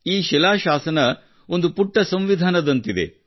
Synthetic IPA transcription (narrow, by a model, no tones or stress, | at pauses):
iːʃɛlaːʃaːsɐnɐ | o̞nd̪upuʈːɐsɐmʋid̪ʱaːnɐd̪ɐnt̪id̪e̞̰